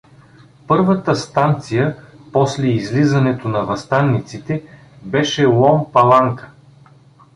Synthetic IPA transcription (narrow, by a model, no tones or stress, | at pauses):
pɤɾvət̪əst̪ant̪sijəpɔslɛizlizɐnɛt̪onɐvɐst̪anːit̪sit̪ɛ | bɛʃɛlˠɔmpɐlˠaŋkə̥